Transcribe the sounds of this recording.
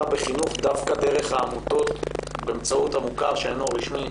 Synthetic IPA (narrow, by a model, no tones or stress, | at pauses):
beχinuχd̪avkad̪e̞ʁe̞χhaːmut̪o̞t̪beːmt͡sauthamukaʁʃeenoʁiʃmi